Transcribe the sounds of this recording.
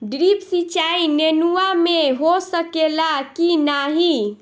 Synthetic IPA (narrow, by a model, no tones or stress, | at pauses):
ɖɾipsit͡ʃainenuameɦosəkelakinaɦi